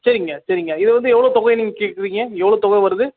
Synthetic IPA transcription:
sɐɾɪŋɡɐsɐɾɪŋɡɐɪðɛʋɐnd̪ɯɛʋːɐɭoːt̪ɔɣɐjniːŋɡɐkeːʈkɯɾiːŋɡɐɛʋːɐɭoːt̪ɔɣɐjʋɐɾɯðɯ

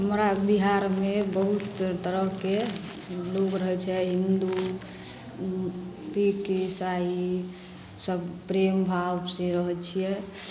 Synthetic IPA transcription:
ɦəmɾabiɦaɾmebəɦut̪t̪əɾəɦke | loɡɾəɦɛt͡ʃʰɛɦind̪u | ikesai | səbpɾembʱabsẽɾəɦɛt͡ʃʰijɛ

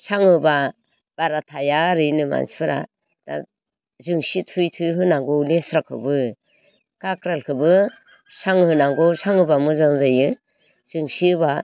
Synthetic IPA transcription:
saŋɯba | b̥aɾatʰajaɾɯnɯma̰nsi̥pʰɯɾa̰ | d̥a̰ | zɯŋsitʰujtʰujɦɯnaŋɡɔlesɾakʰɯ̰bɯ | kakɾalkʰɯbɯ | saŋhɯnaŋɡɔsaŋɯbamɯzaŋzajɯ | z̥ɯŋsiɯba

